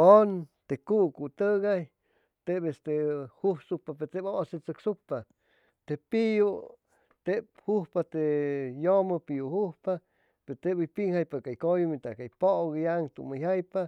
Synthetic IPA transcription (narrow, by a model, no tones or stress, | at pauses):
ont̪ekukut̪əɡaj | t̪ebest̪ehuhsupapet̪eboʔset͡sɨksukpa | t̪epiju | t̪ep̚huhpat̪ejoməpijuhuhpa | peɾt̪ebujpiŋhajpakajkojumit̪akajpoɡjaŋt̪ṵmajajpa